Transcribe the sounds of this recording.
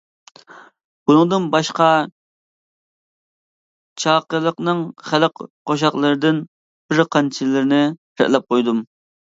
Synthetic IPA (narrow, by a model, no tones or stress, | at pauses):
b̥unɨŋd̪ɨnbɑʃqɑ | t͡ʃʰɑːqəɾlˠəqnɨŋχælˠəqqoʃ̬ɑqlˠəɾɨd̪ɪn | b̥ɪɾqʰɑnt͡ʃʰilɪɾɪnɪ | ɾɛ̰ʔlɛp̚qojd̪um